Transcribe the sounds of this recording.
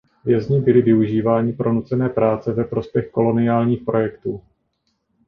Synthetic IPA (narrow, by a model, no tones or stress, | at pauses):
vjɛzɲɪbɪlɪvɪuʒiːvaːɲɪpɾo̞nut͡sɛnɛːpɾaːt͡sɛvɛpɾo̞spjɛxko̞lo̞nɪaːlɲiːxpɾo̞jɛkt̪uː